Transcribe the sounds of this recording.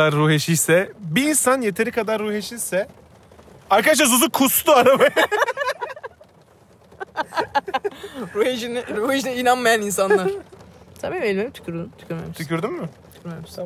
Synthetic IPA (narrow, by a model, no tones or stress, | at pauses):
aɾːuheʃilsɛbiːnsanje̞t̪ʰe̞ɾikʰad̪aɾːuheʃilsɛ | aɾkʰad̪aʃ̬ˠazuzukʰustt̪ʰuaɾaba | ɾuhed͡ʒiniɾuhed͡ʒinɛinanmajaninsanlˠaɾ̥t̪ʰabiɛlʲmemt̪ʰy̥cʰʲyɾd̪umt̪ʰy̥cʰʲyɾmḛmiʃʰycʰʲyɾd̪ymːɪt̪ʰy̥cʰyɾmemis